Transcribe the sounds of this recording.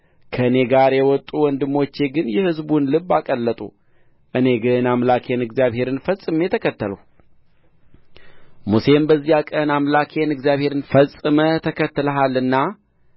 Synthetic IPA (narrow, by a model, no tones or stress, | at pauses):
kʰəɨne̞ɡaɾjɛwɔt̪ʼːuwɔnd̪ɨmːo̞t͡ʃːe̞ɡɨnjɛhɨzbunlɨβːakʼəlːət̪ʼṵ | ʔɨne̞ɡɨnamlakʰe̞nɨɡzjaβhe̞ɾɨnfəsʼɨme̞t̪ʰəkʰət̪ːələw | muse̞mbəzːijakʼənamlakʰe̞nɨɡzijaβhe̞ɾɨnfəsʼɨmət̪ʰəkʰət̪ːɨləɦalɨnːa